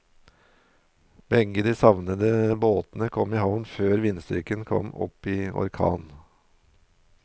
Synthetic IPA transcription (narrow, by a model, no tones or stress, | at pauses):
bɛŋɡəd̪iːsɑʋnəd̪əboːt̪nəkʰɔmɪhɑʋnføːɾʋɪnst̪ʏ̰kənkʰɔ̰mɔ̰piːɔ̰ɾkʰɑ̰ːn